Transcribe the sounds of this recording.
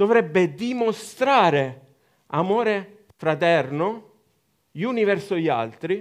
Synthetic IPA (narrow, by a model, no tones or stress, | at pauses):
d̪̥ovɾɛbːed̪imost̪ɾaːɾe | amoːɾe | fɾat̪ɛrno | ʎuːnivɛrsoʎa̰lt̪ɾi